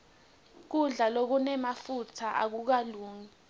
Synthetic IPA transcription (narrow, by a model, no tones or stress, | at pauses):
k̬uɮalok̬unɛmafutʰaʔa̰k̬uk̬aluːŋi